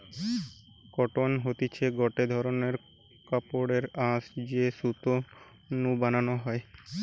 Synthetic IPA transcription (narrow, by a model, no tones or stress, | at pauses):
kɔʈonɦot̪it͡ɕʰeɡɔʈed̪ʱɔɾoneɾ | kapoɽeɾãsd͡ʑesut̪o | nubananoɦɔe